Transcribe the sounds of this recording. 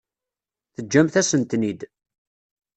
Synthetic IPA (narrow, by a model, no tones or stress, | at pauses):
θəd͡ʒːæmθæsənt̪nid̪